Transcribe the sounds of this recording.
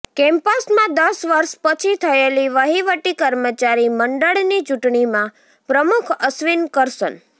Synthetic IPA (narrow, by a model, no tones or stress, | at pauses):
kɛ̃mpəsmãd̪əsʋəɾʃpət͡ʃʰit̪ʰəeliʋəɦiʋəʈikəɾmət͡ʃaɾiməɳɖəɭnit͡ʃuʈɳimã | pɾəmukʰəsʋinkəɾsən